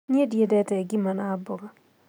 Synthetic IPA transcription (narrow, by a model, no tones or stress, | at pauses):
ɲedjedɛtɛɡimanabɔɡa